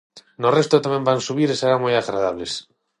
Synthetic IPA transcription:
norest̪ot̪amẽmbansuβ̞iɾeseɾaŋmojaɣɾað̞aβ̞les

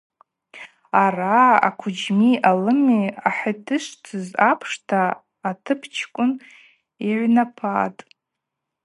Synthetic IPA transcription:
araa̰kʷʰʊd͡ʒmiʔalɨmiaħatʰɨʃtʰɨzapʰʂtʰaː | tʰɨpʰt͡ʃʰkʷʼʊn | iʕʷnapʰaːtʼ

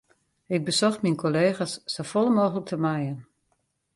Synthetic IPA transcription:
ɪɡ̚bəsɔxminkʰoleːxasːofɔlˠəmoːxələk̚təmajən

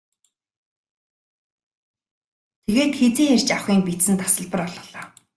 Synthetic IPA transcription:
t̪ʰeɣeːt̪xet͡seːŋær̥ʲt͡ɕawχiːŋpisɘ̆nt̪ḁsə̆ɮpə̆rɔɮɞ̆ːɮɔː

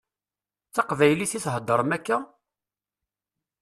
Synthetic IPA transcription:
θɑqvæjliθiθɦəd̪ˤːəɾˤmækːæ

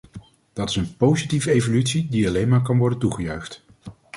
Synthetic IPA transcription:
d̥ɑtɪsənpowzitivəejvolytsidiɑlejnmaːɹkɑnʋɔɹdəntuχəjœɥχt

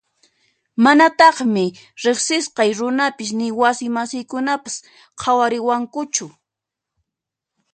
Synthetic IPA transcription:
manat̪ɑχmɪ | ɾeχsɪsqɑjɾʊnapɪsnɪwasɪmasɪjkʊnapḁs | qʰawaɾɪwaŋkʊt͡ʃʊ

